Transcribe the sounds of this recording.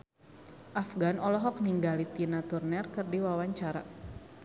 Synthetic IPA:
ʔafɡanɔlɔɦɔk̚niŋɡalit̪inat̪urnɛrkɨrdiwawaɲt͡ʃaɾa̰

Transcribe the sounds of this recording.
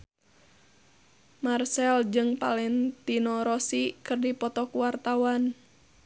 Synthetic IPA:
marsɛld͡ʒɨŋpalɛnt̪inɔɾɔsikɨrdipɔt̪ɔkuwart̪awan

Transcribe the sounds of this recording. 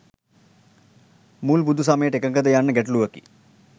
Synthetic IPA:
muːlbud̪ʱus̬aməjeʈekəŋkəd̪əjanːəɡæʈuluʋəkḭ

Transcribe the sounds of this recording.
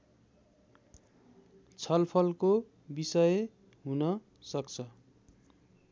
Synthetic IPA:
t͡sʰʌlpʰʌlko | bisʌj | ɦunʌ | sʌkt͡sʰʌ

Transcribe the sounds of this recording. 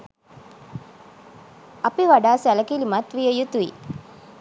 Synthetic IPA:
apiʋaɖaːsæləkilimat̪ʋijəjut̪uḭ

